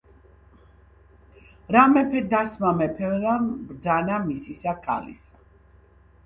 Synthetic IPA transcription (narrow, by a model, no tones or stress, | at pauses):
ɾamɛpʰɛd̪asmamɛpʰɛlabɾd̪zanamisisakʰa̰lḭsa